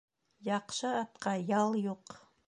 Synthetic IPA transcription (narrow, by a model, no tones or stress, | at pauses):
jɑqʃəat̪qʰɑjɑlˠjoq